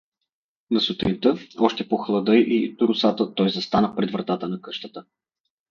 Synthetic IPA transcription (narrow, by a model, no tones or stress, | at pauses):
nɐsʊt̪ɾint̪ɤɔʃt̪ɛpoxlˠɐd̪ɤjʔit̪ʊɾʊsat̪ət̪ɔjzɐst̪anəpɾɛd̪vɾɐt̪at̪ənɐkɤʃt̪ət̪ə